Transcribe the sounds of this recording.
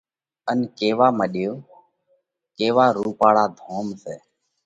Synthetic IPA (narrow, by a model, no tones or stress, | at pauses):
ənkeːʋaːməɗɪjoː | keːʋaːɾuːpaːɽaːd̪ʱoːmseː